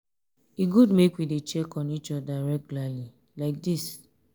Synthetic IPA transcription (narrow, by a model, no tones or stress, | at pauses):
iɡudmekwidet͡ʃɛkɔnit͡ʃɔdaɹɛɡulali | laɪk̚dis